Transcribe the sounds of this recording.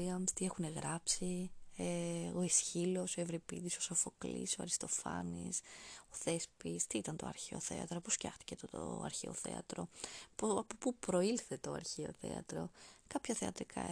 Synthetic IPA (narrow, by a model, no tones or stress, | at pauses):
iɐmst̪ie̞xune̞ɣɾɐpsieo̞isçilo̞soevɾipḭðiso̞sofo̞klḭsoɐ̰ɾist̪o̞fɐ̰nḭso̞θe̞spist̪iit̪ɐnt̪oɐ̰ɾçeo̰θe̞̰ɐ̰t̪ɾoposfcɐ̰xt̪i̥cet̪o̰ɐ̰ɾçeo̰θe̞̰ɐ̰t̪ɾo̞̰poɐpopupɾo̞ilθe̞t̪oɐ̰ɾçeo̞̰θe̞̰ɐ̰t̪ɾo̞kɐpçɐθeɐt̪ɾikʰɐ̰